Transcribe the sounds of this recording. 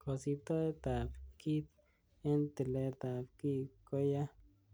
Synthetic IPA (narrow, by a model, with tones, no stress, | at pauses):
ko˨si˧t̪o˦e˦t̪a˨bki˦t̪̚ | e˦nt̪e˨le˧t̪a˨pki˦ko˦ja˦